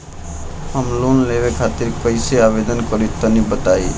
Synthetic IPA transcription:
həmlonleβekʰat̪iɾkəjseabed̪ənkəɾit̪ənibət̪ai

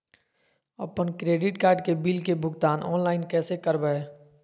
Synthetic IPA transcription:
ə̰pənkɾeːɖɪʈkaːɾɖkebiːlkebʱʊɡt̪aːnʔɔːnlaːɪnkɛːsekəɾbəeː

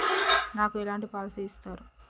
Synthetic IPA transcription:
naːkuɛlaːɳʈipaːlt̪iːst̪aːɾu

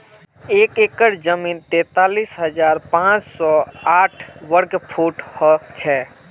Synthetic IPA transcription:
eːkeːkəɾd͡ʒəmiːnt̪ɛ̃ːt̪aːliːsɦəd͡ʒaːɾpãːt͡ʃsɔaːʈʰʋəɾkpʰuʈhɔt͡ʃʰɛː

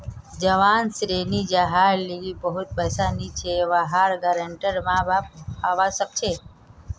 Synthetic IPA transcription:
d͡ʒəʋaːnsɾeːnid͡ʒaɦaːɾliɡibəɦʊt̪̚bəsaːnit͡ʃʰeʋaɦaːɾɡəɾəɳʈəɾmãbaaːʋasək̚t͡ʃʰe

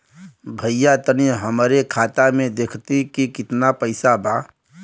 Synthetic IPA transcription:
bʱəjːat̪əniɦəmɾekʰaːt̪amẽd̪ekʰt̪ikikɪt̪napəɪsabaː

